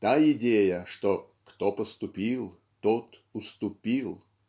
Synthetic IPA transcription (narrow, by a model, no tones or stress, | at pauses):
t̪aɪdʲejəʂt̪o | kt̪opəst̪ʊpʲilˠ | t̪ot̪ | ʊst̪ʊpʲilˠ